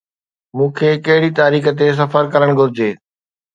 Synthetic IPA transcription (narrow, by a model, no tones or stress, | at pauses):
mũːkʰeːkɐɦɪɽit̪aːɾiːxə̆t̪̬es̬ɐfəɾkɐɾəɽ̃ɡʱʊɾɪd͡ʑeː